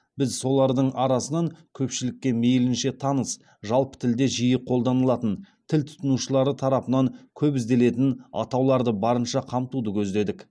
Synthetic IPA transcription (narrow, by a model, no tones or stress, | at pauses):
bɪzso̞lˠɑɾd̪əɴɑɾɑsənɑŋkʲʰɵpʃɪlɪkʲːe̞mejlɪnʃe̞t̪ʰɑnəs | ʒɑlˠpə̥t̪ʰɪld̪e̞ʒijəqʰo̞lˠd̪ɑnəlˠɑt̪ənt̪ʰɪlt̪ʰʊ̥t̪ənuʃəlˠɑɾət̪ʰɑɾɑpənɑŋkʲʰɵpɪzd̪e̞le̞t̪ɪnɑ̰t̪ɑwlˠɑɾd̪əbɑɾənʃɑqʰɑmt̪ud̪əkʲʰɵzd̪e̞d̪ɪk